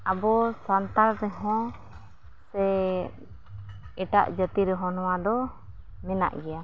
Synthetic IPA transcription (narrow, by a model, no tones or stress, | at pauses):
abɔsant̪aɾɾɛɦɔ̃ | sɛ | ɛʈa̰ʔd͡ʒət̪iɾɛɦɔ̃nɔwad̪ɔ | mɛna̰ʔɡɛja